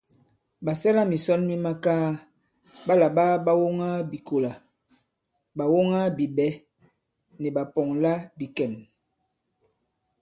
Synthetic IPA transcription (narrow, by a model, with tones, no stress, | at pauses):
ba˨sɛ˦la˦mi˨sɔ˦nmi˦ma˦kaː˦ | ɓa˦la˨ɓa˦ɓa˦wo˦ŋa˦bi˨ko˨la˨ | ba˨wo˦ŋa˦bi˨bɛ˨˦ | nɛ˨ba˨pɔ˨ŋla˦bi˨kɛ˨n